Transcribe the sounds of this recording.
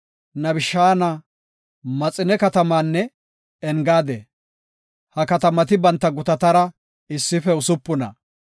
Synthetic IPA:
nɐbɪʃːaːnɐ | mɐt͡sʼːɪnɛkɐt̪ɐmaːnːɛ | ɛŋɡaːd̪ḛː | hɐkɐt̪ɐmɐt̪ɪbɐnt̪ːɐɡʊt̪ɐt̪ɐɾɐ | ɪsːɪfɛʊsʊpːʊnɐ̰

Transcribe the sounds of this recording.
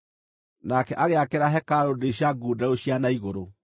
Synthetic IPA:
nakɛʔaɣeakeɾaɦɛkaɾodeɕaɡuːdaoɕijanaiɣoɾo

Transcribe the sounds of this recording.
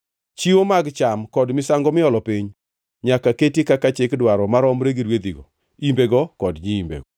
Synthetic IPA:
t͡ʃiwomaɡt͡ʃamkɔdmɪsaŋɡɔmɪɔlɔpiɲ | ɲakaketikakat͡ʃɪkdwaɾɔmaɾɔmɾeɡiɾwed̪iɡɔ̰ | imbeɡɔkɔdɲiimbḛɡɔ

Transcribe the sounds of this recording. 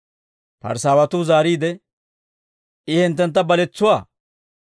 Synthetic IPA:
pɐ̰ɾsaːwɐt̪ʊzaːɾiːd̪ɛ | ʔɪhɪnt̪̬ːɛnt̪ːɐbɐlɛt͡sːʊwaː

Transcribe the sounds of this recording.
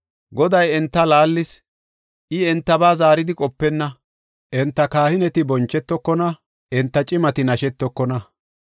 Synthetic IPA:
ɡɔd̪ɐjɛnt̪ːɐlaːlːɪs | ʔɪɛnt̪ːɐbaːzaːɾɪd̪ɪkʼɔpːɛnːɐ | ʔɛnt̪ːɐkaːhɪnɛt̪ɪbɔnt͡ʃːɛt̪ːɔkːɔnɐ | ɛnt̪ːɐt͡ʃʼɪmɐt̪ɪnɐʃɛt̪ːɔkːɔnɐ

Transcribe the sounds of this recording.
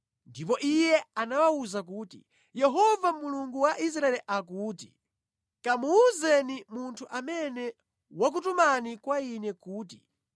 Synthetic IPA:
ndipɔʔijɛanawauzakuːtḭ | jɛɦɔvamuluŋɡuwaʔis̬ɾaɛlɛʔakuːti | kamuːzɛnimuntʰuʔamɛnɛ | wak̬utumanikwainɛkuːti

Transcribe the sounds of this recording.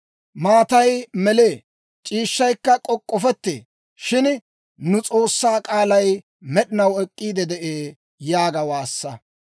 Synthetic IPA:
maːt̪ɐjmɛleː | t͡ʃʼiːʃːɐjkːɐkʼɔkʼːɔfɛt̪ːḛː | ʃɪn | nʊt͡sʼo̞ːsːaːkʼaːlɐj | mɛɗɪnɐwɛkʼːiːd̪ɛd̪ɛʔeː | jaːɡɐwaːsːɐ

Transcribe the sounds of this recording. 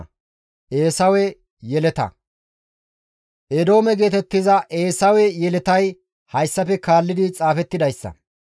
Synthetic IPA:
ʔeːsɐwɛ | jɛlɛt̪ɐ̰ | ʔɛd̪o̞ːmɛɡe̞ːt̪ɛt̪ːɪzɐʔeːsɐwɛjɛlɛt̪ɐj | hɐjsːɐpɛkaːlːɪd̪ɪt͡sʼaːfɛt̪ːɪd̪ɐjsːɐ̰

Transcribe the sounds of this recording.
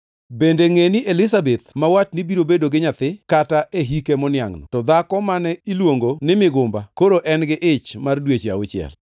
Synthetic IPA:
bendeŋeniʔelɪsabet̪̚mawat̚nibiɾobedoɡɪɲat̪ɪkataʔeɦikemɔnja̰ŋnɔ̰tɔd̪akɔmanɛilwoŋɡonɪmɪɡʊmbakoɾoʔɛnɡɪʔɪt͡ʃmardwet͡ʃa̰ʊt͡ʃɪɛ̰l

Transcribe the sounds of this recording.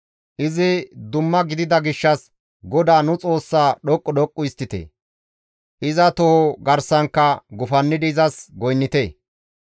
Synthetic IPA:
ʔɪzɪd̪ʊmːɐɡɪd̪ɪd̪ɐɡɪʃːɐs | ɡɔd̪aːnʊt͡sʼo̞ːsːaːɗɔkʼːɔɗɔkʼːʊɪst̪ːɪt̪ḛː | ʔɪzɐt̪ɔoɡɐɾsɐŋkːɐɡʊfɐnːɪd̪ɪɪzɐsɡɔjnːɪt̪eː

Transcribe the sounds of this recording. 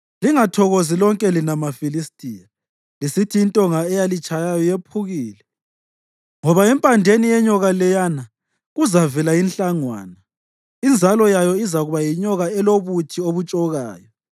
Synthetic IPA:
liŋatʰɔɣozilɔŋkʼɛlinamafilistʼija | lisitʰiːntʼɔŋaɛjalit͡ʃʼajajɔjepʰuɣiːlɛ | ŋɔβaɛmpʼandʱenijɛɲɔɣalɛjana | ɣuzavɛlainɬʼaŋwa̰ːna | ind͡zʱalɔjajɔizaɣuβajiɲɔɣaɛloβutʰioβut͡ʃʼɔɣaːjɔ

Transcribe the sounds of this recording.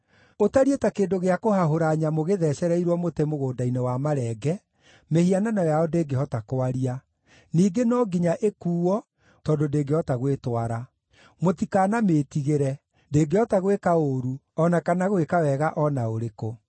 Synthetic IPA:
otaɾietakeːndoɣeakohaɦoɾaɲamoɣeðɛɕɛɾɛiɾwɔmotemoɣoːdainewamaɾɛɡɛ | mehiananɔjaɔdeːɡehɔtakoaɾia | niːɡenɔɡiɲaʔekuːɔ | tɔːdondeːɡeɔtaɣwetwaɾa | motikaːnametiɣeɾɛ | ndeːɡeɔtaɣwekaoɾu | ɔnakanaɣwekawɛɣaʔɔnaoɾeko

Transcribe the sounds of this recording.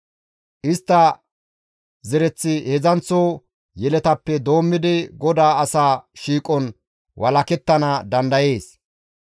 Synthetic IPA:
ʔɪst̪ːɐ | zɛɾɛt͡sːɪhɛzɐnt͡soː | jɛlɛt̪ɐpːɛd̪o̞ːmːɪd̪ɪɡɔd̪aːɐsaːʃiːkʼɔn | wʔɐlɐkɛt̪ːɐnɐd̪ɐnd̪ɐje̞ːs

